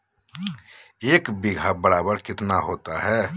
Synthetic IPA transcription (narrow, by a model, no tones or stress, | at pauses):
eːkbɪɡʱabəɽaːbəɾkɪt̪naɦoːt̪a̰ɦɛː